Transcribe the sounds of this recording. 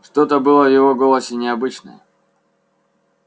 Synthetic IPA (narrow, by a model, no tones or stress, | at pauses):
ʂt̪o̞t̪əbɨlˠəvjɪvo̞ɡo̞lˠəsʲɪnʲɪɐbɨt͡ɕnə̰jə̰